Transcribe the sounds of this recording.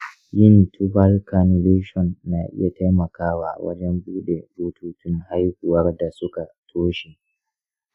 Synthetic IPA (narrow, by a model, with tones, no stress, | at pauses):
jɪ˦ntʰu˦ba˦lka˨nu˨le˦ʃɔ˨nːa˨ʔɪ̰˦ja˨ta˦jmɐ˨kaː˦wa̰˨wɐ̰˦d͡ʒɛ˦mbuː˦ɗe˨boː˦tʰuː˦tʊ˦ŋha˦jhʊ˨wɐ˦rda˨sʊ˦ka˨tʰoː˦ʃe˨